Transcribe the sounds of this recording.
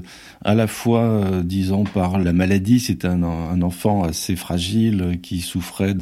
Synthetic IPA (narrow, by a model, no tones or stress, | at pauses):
a̰lafwaød̪izɔ̃paʁlamalad̪iset̪ɛ̃ɛ̃nɑ̃fɑ̃asefχaʒilkʲʰisufχɛd̪